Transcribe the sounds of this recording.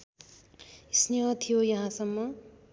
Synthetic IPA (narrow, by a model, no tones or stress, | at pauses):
isneɦʌt̪ʰijojʌɦãsʌmːʌ